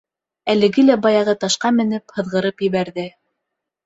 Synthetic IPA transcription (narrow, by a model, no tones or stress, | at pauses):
ælɘ̆ɡɘlæbɑjɑʁɤt̪ɑʃqɑmɘ̆nɘphɤ̆ðʁɤ̆ɾɤpjɘ̆βæɾðɘ